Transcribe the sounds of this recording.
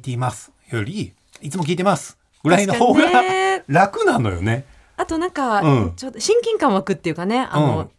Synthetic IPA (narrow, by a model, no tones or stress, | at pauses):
t̪e̞imasɨ̥ | joɾʲi | it͡sɨmokʲiːt̪emasɨ̥ | ɡ̥ɯ̟ɾainooːaɾakɯ̟nãno̞̰jo̰ne̞ | at̪o̞nãŋkaɯ̃t͡ɕod̪oɕĩŋkʲĩŋkãɰ̃βakɯ̟t̪ːe̞jɯ̟kane̞a̰ɯñõ